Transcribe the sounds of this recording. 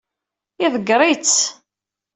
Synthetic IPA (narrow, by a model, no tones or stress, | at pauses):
iðəɡɾˤit͡sː